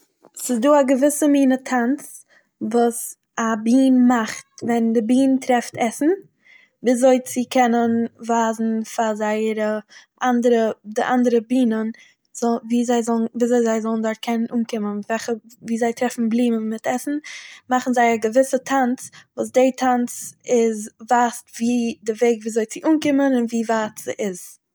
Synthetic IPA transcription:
sɪzduːaɡəvɪsəmiːnətʰant͡s | vuːs | abiːnmaχtvɛndɪbiːntɾɛftɛsn̩ | viːzoɪt͡sɪkʰɛnənvaːzn̩fazaɪəɾəʔandəɾədɪʔandəɾəbiːnən | z̥ɔviːzaɪzɔlˠnviːzoɪzaɪzɔlˠn̩dʊɾtkʰɛnənuːnkɪmənvɛχəviːzaɪtɾɛfn̩blˠiːməmɪtʰɛsn̩maχn̩zaɪaɡəvɪsətʰant͡svuːs̬deɪtʰant͡sɪzvaːstviːdɪveɪɡviːzoɪt͡sɪʔuːnkɪmənɪnviːvaːtəʔɪz̥

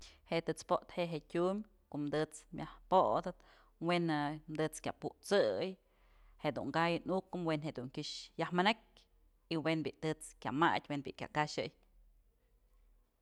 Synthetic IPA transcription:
heʔt̪ɨt͡spoʔt̪heʔɦeʔtʲumʲ | koʔmd̪ɨt͡smʲjahpoʔd̪ɨt̪ | wenɨmd̪ɨt͡skʲa̰puʔt͡sɨj | heʔd̪ṵŋɡajɨnukɨmwenɦeʔd̪uŋkʲɨʂjahmɨnek̚ʲ | iwenbʲiʔt̪ɨt͡skʲama̰tʲwenbḭʔkʲa̰kaʃɨ̰j

